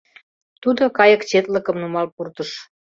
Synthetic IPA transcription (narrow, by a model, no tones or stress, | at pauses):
t̪ud̪okɑjəkt͡ɕet̪ləkəmnumɑlpurt̪əʃ